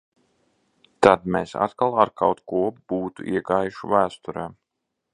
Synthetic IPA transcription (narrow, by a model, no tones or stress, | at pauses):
t̪ad̪mesa̰t̪kalˠaɾkawt̪kuɔb̥uːt̪uʔiɛɡaːjuʃuvæːst̪uɾɛːm